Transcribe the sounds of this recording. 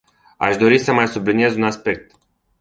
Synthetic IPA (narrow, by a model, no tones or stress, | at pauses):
a̰ʃd̪o̞ɾisəmajsublinije̞zunaspe̞k̚t̪